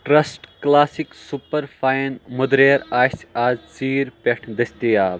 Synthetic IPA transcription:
ʈɾɐsʈklaːsiksupɐɾfaːjnmʊd̪ɾeːɾaːsaːzt͡siːɾpeʈʰd̪ɐst̪ijaː

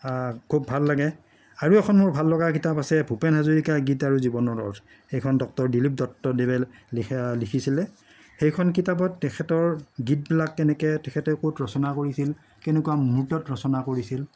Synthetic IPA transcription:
kʰubʱalːaɡɛ | aɹuɛkʰɔnmʊɹbʱalːɔɡakitapasɛbʱupɛnɦazuɹikaɡitaɹuzibɔnɔɹɔ̰t | xejkʰɔndɔk̚tɔɹdilip̚dɔk̚tɔdebɛl | likʰisilɛ | xejkʰɔnk̬itab̬ɔtːɛkʰɛtɔɹɡit̚bilakːɛnɛkɛtɛkʰɛtɛkotɹɔsɔnakoɹisil | kɛnɛkuwamutɔtɹɔsɔnakoɹisil

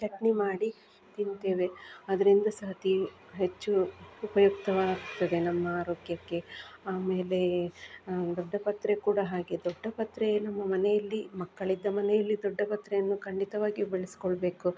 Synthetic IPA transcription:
kɐʈnimaːɽi | t̪int̪eːʋe̞ɐd̪ɐɾind̪ɐsɐɦɐt̪i | ɦet͡ʃːuupɐjuk̚t̪ɐʋaːɡt̪ːɐd̪e̞nɐmːɐaːɾoːɡjɐkːe̞aːme̞ːle̞ | d̪ɔɖːɐpɐt̪ɾekuːɽɐɦaːɡe̞d̪ɔɖːɐpɐt̪ɾenɐmːɐmɐnɛjɐlːimɐkːɐɭid̪ːɐmɐnɛjɐlːid̪ɔɖːɐpɐt̪ɾɛjɐnːukɐɳɖit̪ɐʋaːɡibeɭesi̥kɔɭbe̞ːku

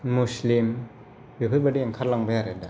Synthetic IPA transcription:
muslim | bipʰɯt̚badiaŋkʰaɾlaŋbaaɾɛda

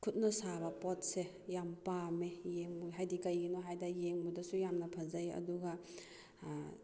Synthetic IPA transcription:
kʰut̚nɐsabɐpɔt̚se | jampamejeŋbuɦajdikɐjɡinɔɦajdɐjeŋbudɐsujamnɐpʰɐzɐjɐ̰duɡɐ

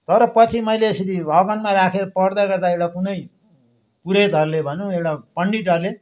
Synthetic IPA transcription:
t̪ʌɾʌpʌt͡sʰimʌjleːsʌdiʌɡʌnmaɾakʰeɾʌpʌɽd̪aɡʌrd̪aewʈakunʌj | puɾet̪ʌɾlebʱʌnũewʈapʌɳɖiʈʌɾle

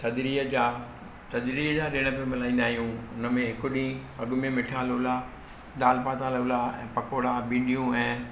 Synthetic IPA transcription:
t̪ɐd̪ɾiːəd͡ʑaː | t̪ɐd̪ɾiːɦd͡ʑaːɗɪɽ̃ə̆pɐmɪlaːĩːnd̪aːɦijũʊnə̆mẽɦɪkʊɗĩːɐɡʊmẽmɪʈʰaːlʊla | ɗ̪aːlpaːt̪aːlʊlaɛ̰̃ːpɐkoːɽabĩːɳɖijũɛ̃ː

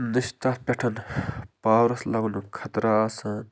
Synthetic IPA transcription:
niʃt̪apʲɐʈʰɐnpaːwɾɐslɐɡnukʰɐt̪ɾasaːn

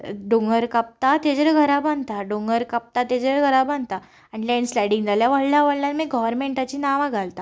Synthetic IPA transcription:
ɖoŋɡəɾkap̚t̪at̪ed͡zəɾɡʱəɾabãnd̪t̪aɖoŋɡəɾkap̚t̪at̪ed͡zəɾɡʱəɾabãnd̪t̪a | anilɛnslajɽiŋɡd͡zʱaljaʋəɽljaʋəɽljãnmiɡɔʋəɾmeɳʈat͡ɕiːnaʋãɡʱalt̪a

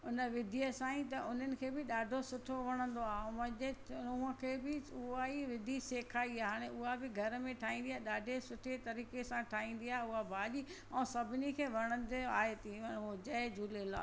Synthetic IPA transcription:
ʊnəʋɪd̪ʱijəsãĩt̪ɐʔʊn̤ənɪ̆kʰeːbɪɗaːɖʱosʊʈʰoʋɐɽ̃ə̃nd̪oaːɦʊmɐ̃ʄeuə̃kʰeːbɪʊɦaiʋɪd̪ʱiseːkʰaːiaːɦaːɽ̃eʔʊɦabɪɡʱɐɾəmẽʈʰaːɦĩːnd̪iaːɗaːɖʱesʊʈʰet̪ɐɾiːkesãʈʰaːɦĩːn̆d̪iaːɦeʊɦabʱaːʄi | ɛ̃ːsɐbʱɪnikʰeːʋɐɽ̃ə̃nd̪ea̰ːɦet̪iod͡ʑɐed͡ʑuːlela̰ː

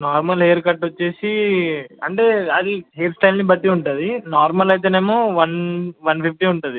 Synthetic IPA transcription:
naːɾmɐleːɐɾkɐʈːʋɐt͡ʃːe̞ːsi | ɐ̰ɳʈe̞ːɐd̪iɦeːpsʈɐjlnibɐʈ̪ːiuɳʈuːd̪inaːɾmɐlɐjt̪eːneːmoʋɐnʋɐnpʰip̚ʈiuɳʈund̪i

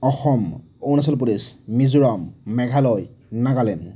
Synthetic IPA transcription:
ɔxɔm | ownas̬ɔlp̬ulismizuɹɔmːɛɡʱalɔjnaɡalɛn

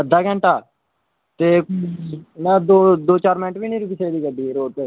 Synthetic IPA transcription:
əd̪ːaːɡɛ̃ːɳʈaː | t̪eː | nɛ̃d̪oːd̪oːt͡ʃaːɾmɪnʈbiːnĩːɾʊkiːseːd̪iːkəɖiːɾoːp̪e

